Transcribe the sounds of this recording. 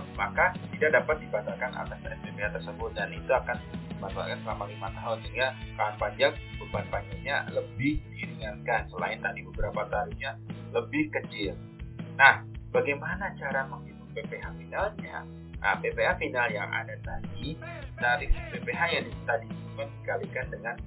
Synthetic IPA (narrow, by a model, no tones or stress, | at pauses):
makat̪idak̚dapat̪̚dibat̪alkana̰t̪asɛ̰spepeɦat̪ərsəbʊt̪̚danit̪uakandimasua̰lkansəlamalimat̪aɦʊnsəŋakanpaɲd͡ʒak̚b̥əban̚paɲd͡ʒak̚ɲa̰ləbɪhdiɾiŋankansəla̰ɪnt̪adibəbəɾapat̪aɾɪhɲaləbɪhkət͡ʃɪl | nahb̥aɡajmanat͡ʃaɾaməŋhibʊt̪̚pepeɦafinalɲa̰ | ʔə̰pepeafinaljaŋʔa̰dat̪adi | t̪aɾɪfpepeɦajaŋdist̪adisumɛndikalikandəŋan